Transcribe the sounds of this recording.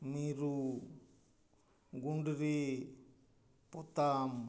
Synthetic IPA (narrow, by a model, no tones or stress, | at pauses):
miɾu | ɡuɳɖɾi | pɔt̪am